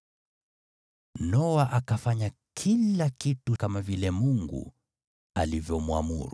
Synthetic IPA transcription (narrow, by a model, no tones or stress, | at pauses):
nɔwaʔakafaɲakʰilakitukamavilɛmuŋɡṵ | alivjɔmwa̰mṵɾu